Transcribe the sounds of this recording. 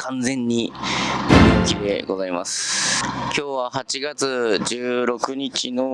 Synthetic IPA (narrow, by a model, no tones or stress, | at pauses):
kʰãnd͡zẽ̞ɲ̟ːi | ɾiokʲid̪e̞̰ɡo̞zaima̰sɨ̥kʲo̞ːβahat͡ɕiɡat͡sɨd͡ʑɨːɾo̞kɯ̟ɲ̟it͡ɕino̞